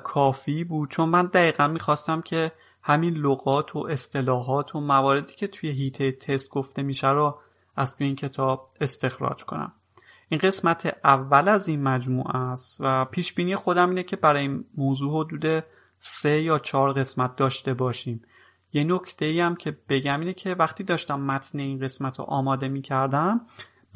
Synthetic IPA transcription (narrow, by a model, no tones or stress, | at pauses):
kʰɒːfiːbuːd̪̥̚t͡ʃʰo̞nmænd̪æiːɣænmiːxɒːst̪æmcʰe̞ | hæminloɣɒːt̪ʰo̰ʔe̞st̪e̞lɒːɦɒːt̪ʰo̞mævɒːɾe̞d̪iːcʰe̞t̪ʰuje̞ɦiːt̪ʰejet̪ʰe̞st̪̚ɡ̥oft̪e̞miːʃæɾɔ | æzt̪ʰujeiːncʰe̞t̪ʰɒːb̥̚e̞st̪e̞xɾɒ̰d͡ʒkʰo̞̰næ̰m | ʔinɢe̞smæt̪ʰeʔævːælæzinmæd͡ʒmṵːʔæst̪væpʰiːʃbiːnijexo̞d̪æmiːnecʰe̞bæɾɒːjinmoːzuːho̞d̪uːd̪e̞ | se̞jɒːt͡ʃʰɒːɾɣe̞smæt̪̚d̪ɒːʃt̪e̞bɒːʃiːm | jeno̞cʰt̪ʰe̞iːæmcʰe̞b̥e̞ɟæmiːnecʰe̞væxt̪iːd̪ɒːʃt̪æmːæt̪ʰneinɢe̞smæt̪ʰɔ̰ʔɒːmɒːd̪e̞miːcʰæɾd̪æm